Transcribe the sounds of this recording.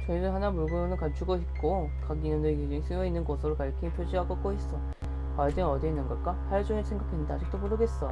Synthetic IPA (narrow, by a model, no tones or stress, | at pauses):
t͡ɕoŋidɯɦanamuɭɡonɯɭkat͡ɕʰuɡoɦit̚k͈o | kaɡinʌndɯked͡ʑʌŋisʰɯʌinːɯnɡʌsʰɯɾokaɭkʰiipʰjod͡ʑiɦaɡok͈oɦes͈ʌ | aɭdeʌdeinːɯnɡʌk͈apʰaɭd͡ʑoŋesʰe̞ŋɡakʰendaad͡ʑik̚t͈omuɾɯɡes͈ʌ